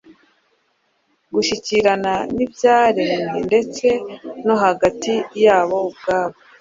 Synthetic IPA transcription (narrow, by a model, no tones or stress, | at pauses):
ɡuʃiciɾananibjaːɾeninde̞t͡se̞no̞ɦaɡatijaːβo̞ubɡaːβo